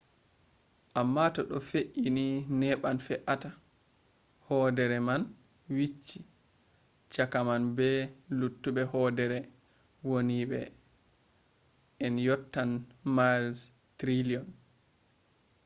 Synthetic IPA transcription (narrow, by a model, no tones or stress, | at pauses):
ʔamːatɔɗɔfeʔininɛɓanfɛʔata | hɔːdɛɾɛman | wit͡ʃːi | t͡ʃakamanbɛlutːuɓɛhɔdɛɾɛ | woniɓɛ̰ | ɛnjɔtːanmals | tɾiliɔn